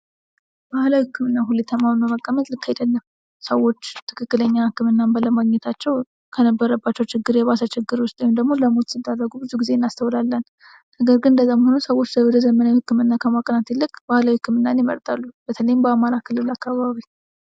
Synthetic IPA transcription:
b̥ahlawihɨkʰːɨmɨnːaɦulet̪ʰːəmːamməməkʼːəmət̪ʼlɨkːajd̪əlːəm | səwːo̞t͡ʃːt̪ʰɨ̥kʰɨkːɨləɲːahɨkːɨmɨnːambələmaɡɲɛt̪ʰat͡ʃːɛw | kʰənəbːəɾəbːat͡ʃːɛwt͡ʃɪɡːɨɾjɛβasat͡ʃɪɡːɨɾwʊst̪ʼːumd̪əɡmo̞ləmot̪sɨd̪arːəɡubɨzuɡize̞nːast̪ʰəwlalːənː | nəɡəɾɡɨnɨnd̪əzamhonəsəwo̞t͡ʃːləwd̪əzəmənahɨkːɨmɨnːakʰəmakʼənat̪ʰilːɨkʼb̥ahlawihɨkːɨmɨnːanjɛmə̰ɾt̪ʼalːub̥ət̪ʰələjɪmbəamaɾakʰɨlːɨlakːaβaβi

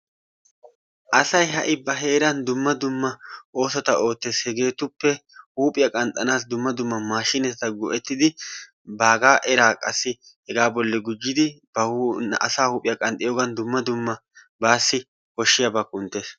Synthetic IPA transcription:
ʔɐsɐjɦɐʔɪbɐɦe̞ːɾɐnd̪ʊmːɐd̪ʊmːɐʔo̞ːsɔt̪ɐo̞ːt̪ːe̞ːshɛɡe̞ːt̪ʊpːɛhuːpʼɪjɐkʼɐnt̪ʼːɐnaːsd̪ʊmːɐd̪ʊmːɐmaːʃːɪnɛt̪ɛt̪ɐɡɔʔɛt̪ːɪd̪ɪ | baːɡaːʔɛɾaːkʼɐsːɪ | hɛɡaːbɔlːɛɡʊd͡ʒːɪd̪ɪb̥ɐhɐ̰saːhuːpʼɪjɐkʼɐnt̪ʼːɪjoːɡɐnd̪ʊmːɐd̪ʊmːɐ | baːsːɪ | hɔʃːɪjabɐkʼːʊnt̪ːe̞ːs

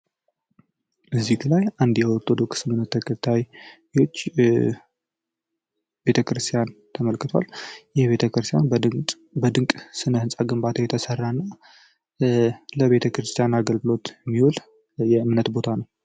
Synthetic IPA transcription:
ʔɨzːiklajand̪jɛwɔt̪ʼod̪o̞kʰɨ̥sɨmɨnːət̪ʰːəkʰət̪ʰaj | ot͡ʃː | be̞t̪ʰəkɾɨst̪ʰijant̪ʰəməlkɨt̪ʰoa̰ljɛhβet̪ʰəkɾɨst̪ʰjan | bəd̪ɨŋkʼsɨnəhɨnsʼaɡɨmbat̪ʰəjɛt̪ʰəsərːanːa | ləβe̞t̪ʰəkɾɨst̪ʰijanaɡəlɡɨlo̞t̪jɛmːihul | jɛɨmnət̪bo̞t̪ʰanəw

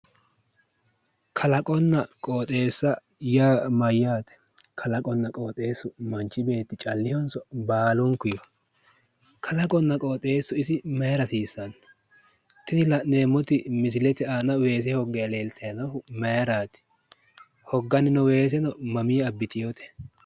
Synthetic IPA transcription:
kʰɐlɐkʼɔnːɐkʼoːt̪ʼe̞ːsːɐ | jaːmɐjːaːt̪ɛ̥ | kʰɐlɐkʼɔnːɐkʼo̞ːt̪ʼe̞ːsːʊmɐnt͡ʃːɪbe̞ːt̪ːɪt͡ʃʼɐlːɪhɔnsɔbaːlɔŋkʊjɔ | kʰɐlɐkʼɔnːɐkʼoːt̪ʼe̞ːsːʊɪsɪmɐjɾɐsiːsːɐn | t̪ɪnɪlɐneːmːɔt̪ɪmɪs̬ɪlɛt̪ɛaːnɐwe̞ːs̬ɛhɔɡːɛjɐle̞ːlt̪ɐjɐnɐhʊmɐjɐɾaːt̪ɪ̥ | hɔɡːɐnɪnɔwe̞ːs̬ɛnɔmɐmiːɐbːɪt̪ʰɪjot̪ɛ̥

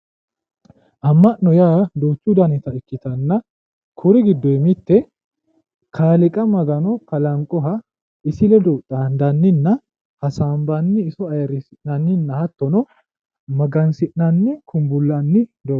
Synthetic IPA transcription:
ʔɐmːɐʔnːɔjaːd̪oːt͡ʃːud̪ɐnɪt̪ɐɪkːɪt̪ɐnːɐ | kʰʊɾɪɡɪd̪ːɔɛmɪt̪ːɛ | kʰaːlɪkʼɐmɐɡɐnɔkɐlɐŋkʼɔɦɐ | ɪsɪlɛd̪ɔt̪ʼːand̪ɐnːɪnːɐ | hɐsaːmbɐnːɪːsɔɐjɐɾɪsɪʔnɐnːɪnːɐhɐt̪ːɔnɔ | mɐɡɐnsɪʔnɐnːɪkʰʊmbʊlːɐnːɪd̪ɔ

